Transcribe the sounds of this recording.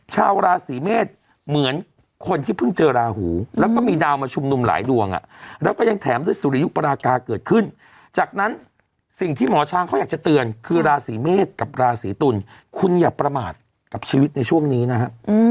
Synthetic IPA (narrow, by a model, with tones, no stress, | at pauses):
t͡ɕʰaː˧wɾaː˧siː˩˦meː˥˩t̪̚ | mɯ˩˦ən | kʰo˧nt̪ʰiː˥˩pʰɯ˥˩ŋt͡ɕɤː˧ɾaː˧huː˩˦lɛː˦˥wkɔː˩˥˩miː˧daː˧wmaː˧t͡ɕʰu˧mnu˧mla̰ː˩˦jdu˨˧˩əŋʔa̰˨˩ɾɛː˦˥wkɔː˥˩ja˧ŋt̪ʰɛː˩˦mdu˥˩əjsu˨˦ɾa˧ju˦˥ʔpa˧ɾaː˧kaː˧kɤː˨˩t̪̚kʰɯ˥˩n | t͡ɕaː˨˩k̚na˦˥n | si˨˩ŋt̪ʰiː˥˩mɔː˩˦t͡ɕʰaː˧ŋʰɔ˥˩jaː˨˩k̚t͡ɕa˨˩t̪ɯ˧ənkʰɯː˧ɾaː˧siː˩˦meː˥˩t̪̚ka˨˩p̚ɾaː˧siː˩˦t̪u˧n | kʰu˧njaː˨˩k̚pɾa˧maː˨˩t̪̚ | ka˨˩p̚t͡ɕʰiː˧wi˦˥t̪̚na˧jt͡ɕʰu˥˩əŋniː˦˥na˦˥kʰa˦˥ʔ